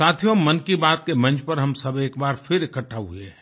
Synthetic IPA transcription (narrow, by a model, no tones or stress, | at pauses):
saːt̪ʰijomɐnkibaːt̪̚kemɐ̃nt͡ʃpɐɾɦɐmsɐbeːkbaːɾfʰɪɾɪkəʈʰːaɦuie